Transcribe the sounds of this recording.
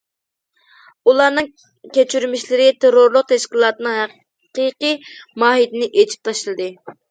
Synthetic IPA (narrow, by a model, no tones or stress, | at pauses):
ulˠɑɾnɨŋ | kʲʰet͡ʃʰyɾmiʃlɪɾɪt̪ʰeɾoɾlˠʊq̚t̪ʰɛʃkʲilˠɑːt̪ɨnɨŋɦæ | qiqijmɑːɦid̪ɪnɪʔet͡ʃʰi̥p̚t̪ʰɑʃlˠɨd̪ɨ